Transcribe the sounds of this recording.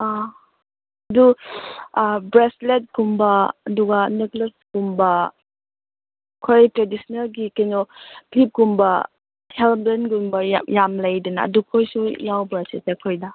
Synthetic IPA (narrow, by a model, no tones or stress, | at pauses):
a | ɐdu | bɾeslet̚kumbɐɐduɡɐneklesɡumbɐ | kʰojtɾedisnɐlɡikɐjnɔpʰip̚ɡumbɐ | helblenɡumbɐajamlɐjdɐnɐ̰ɐ̰dukʰojsujawbɾasisekʰojdɐ